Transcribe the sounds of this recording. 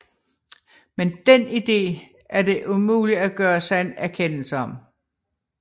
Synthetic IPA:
mend̥enid̥e̝̰ː | æɐd̥e̝ʔumṵːliæɡ̥ɶːɐsɑ̈ɪe̝næɐkʰen̰l̩səɒ̽m

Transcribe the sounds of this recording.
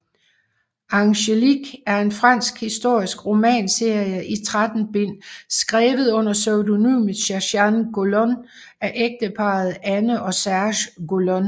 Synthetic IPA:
ɑ̈ŋɕeliɡ̥æɐe̝nfʁɑn̰sɡ̥hisd̥o̝ɐ̰isɡ̥ʁo̝mɛ̰ːnse̝ɐ̰jəʔit͡sʰʁad̥n̩b̥e̝n̰sɡ̥ʁɛːʋð̩ˠɔ̽n̰ɐsøʊdo̝ny̰ːmɕæɕænɡ̥o̝lɔn | æʔeɡ̥̚d̥əpʰɑ̈ð̞̩ˠænəʔɒ̽sæɐɕɡ̥o̝lɔn

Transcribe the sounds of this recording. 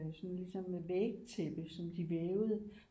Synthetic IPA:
sɒ̽nlisɒ̽meʋeɡ̥̚t͡sʰeb̥əsɒ̽md̥iʋeːʊðˠ

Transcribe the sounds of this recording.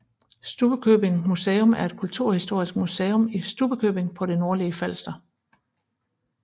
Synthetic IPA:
sd̥ub̥əkʰøːb̥e̝ŋmuseːɔ̽mæɐe̝d̥̚kʰult͡sʰuɐ̰hisd̥o̝ɐ̰isɡ̥̚museːɔ̽misd̥ub̥əkʰø̰ːb̥e̝ŋpʰɒ̽ɾ̥e̝no̝ɐliəfæl̰sd̥ɐ

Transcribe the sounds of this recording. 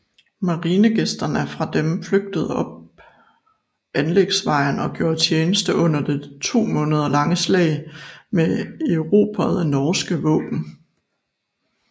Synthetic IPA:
mɑ̈ʁiːnəɡ̥esd̥ɐnæɐfʁɑ̈d̥emfløɡ̥̚d̥əð̞̩ˠɒ̽b̥̚ | ʔænleɡ̥sʋɑ̈ɪnɒ̽ɡ̥jo̝ːɐ̰d̥̚t͡ɕʰjeːnəsd̥əʔɔ̽n̰ɐd̥e̝t͡sʰo̝̰ːmɔ̽ːnəð̞ˠɐlɑ̈ŋəslɛ̰ɪmeeʊʁo̝̰ːpʰæðˠenɒːsɡ̥əʋɔ̰̽ːb̥n̩

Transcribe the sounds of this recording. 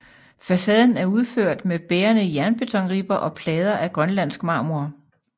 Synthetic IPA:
fæsɛːð̞ˠn̩æɐuð̞ˠføɐ̰d̥meb̥eːɐnəjæɐnb̥e̝t͡sʰɒ̽ŋ̰ʁib̥ɐʔɒ̽pʰlɛːð̞ˠɐʔæɡ̥ʁɶnlæn̰sɡ̥mɑ̈ːmuɐ

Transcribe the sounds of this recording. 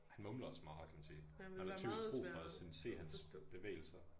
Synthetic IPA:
hænmɔmlɐɒsmɑ̈ːkʰæmænsiː | hænhɑḭʊ̰̥bʁṵːfɒsense̝̰ːhænsb̥e̝ʋḛːɪl̩sɐ

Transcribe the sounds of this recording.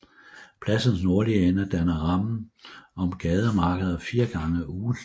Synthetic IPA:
pʰlæsən̩sno̝ɐlienɐd̥ænɐʁɑ̈mn̩ɒ̽mɡ̥ɛːð̞ˠəmɑ̈ːɡ̥əð̞ˠɐfiːɐɡ̥ɑ̈ŋəuː

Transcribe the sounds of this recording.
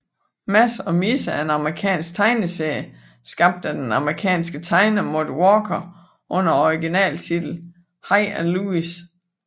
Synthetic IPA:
mæsɒ̽misəæe̝nɑ̈məʁikʰɛ̰ːnsɡ̥̚t͡sʰɑ̈ɪnəseɐ̰jə | sɡ̥ɑ̈b̥̚d̥æd̥enɑ̈məʁikʰɛ̰ːnsɡ̥ət͡sʰɑ̈ɪnɐmo̝ðˠwɒːkʰɐ | ʔɔ̽n̰ɐɒiɡ̥inɛ̰ːlt͡sʰid̥l̩ | hɑ̈ɪænluis

